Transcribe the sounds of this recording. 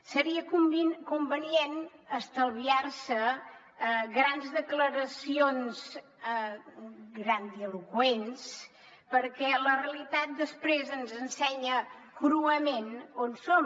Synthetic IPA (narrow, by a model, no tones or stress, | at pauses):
səɾiəkumkumbənienəst̪əlˠβiarsə | ɣɾanzðəkləɾəsionz | ɡɾand̪iəlukwens | pəɾkɛləreəlit̪at̪̚d̪əspɾezənzənsɛɲə | kɾuəmenonsom